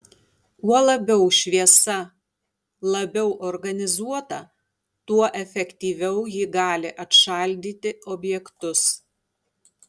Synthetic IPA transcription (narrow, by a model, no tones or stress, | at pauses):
uɔlˠɐbʲɛʊʃʲʋʲiɛsɐ | lˠɐbʲɛʊʔɔɾɡɐnʲɪzuɔt̪ɐ | t̪uɔʔɛfʲɛkʲt̪ʲiːʋʲɛʊjɪɡɑːlʲɪʔɐt̪ʃɐɑˑlʲd̪ʲiːt̪ʲɪɔbʲjɛkt̪ʊs